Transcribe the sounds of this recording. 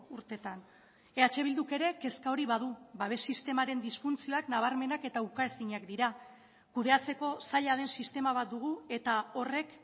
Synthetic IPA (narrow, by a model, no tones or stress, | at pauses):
uɾt̪e̞t̪an | e̞at͡ʃe̞βild̪uke̞ɾe̞ke̞skao̞ɾiβað̞ubaβ̞e̞sːist̪e̞maɾe̞nd̪isfunt͡sio̞aknaβ̞aɾme̞nake̞t̪aukaesiɲakd̪iɾa | kuð̞e̞at͡se̞ko̞saʎaðe̞nsist̪e̞maβ̞at̪̚d̪uɣ̞ue̞t̪ao̞re̞k